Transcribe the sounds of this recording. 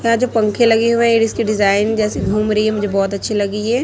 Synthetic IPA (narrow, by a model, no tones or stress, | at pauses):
jɐɦãd͡ʒoːpɐ̃ŋkʰẽlɐɡeɦuẽeːɖɪskiɖɪzaːɪnd͡ʒɛːseɡʱuːmɾɐiɦɛmʊd͡ʒʱebɔːt̪ɐtːʃʰelɐɡiɦɛː